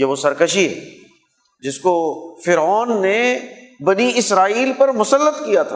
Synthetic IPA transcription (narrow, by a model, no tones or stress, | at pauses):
jeʋosɐɾkəʃiɦɛ̰ | d͡ʒɪskofɪɾɔːnːebɐniɪsɾaːiːlpɐɾmʊsəlːət̪kijat̪ʰa̰